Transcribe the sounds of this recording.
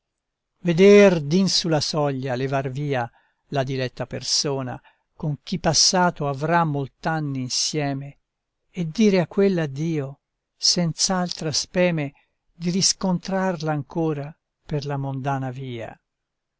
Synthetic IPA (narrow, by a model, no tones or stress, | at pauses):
ved̪ɛrd̪insulasɔʎːalevarviːa | lad̪ilɛt̪ːapḛrsoːna̰ | koŋk̟ipːasːaːt̪oavɾamːolt̪anːiːnsjɛːmeː | d̪ːiːɾeakːwelːad̪ːiːo | sɛnt̪saalt̪ɾaspɛːme | d̪iɾiskont̪ɾarlaːŋkoːɾa | perlamond̪aːnaviːa̰